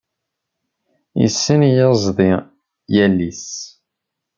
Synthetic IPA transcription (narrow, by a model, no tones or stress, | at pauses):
ḭsːənjəzˤðˤi | jælːis